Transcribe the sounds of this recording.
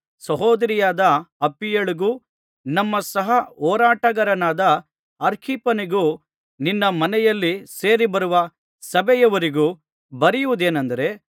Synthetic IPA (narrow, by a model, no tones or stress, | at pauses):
sɐɦoːd̪ɐɾijaːd̪ɐɐpːijɐɭiɡuː | nɐmːɐsɐɦɐɔːɾaːʈɐɡɐɾɐnaːd̪ɐ | ɐɾkʰipɐniɡuː | ninːɐmɐnɛjɐlːise̞ːɾibɐɾuʋɐ | sɐbɛjɐʋɐɾiɡuː | bɐɾijuʋud̪e̞ːnɐnd̪ɐɾe̞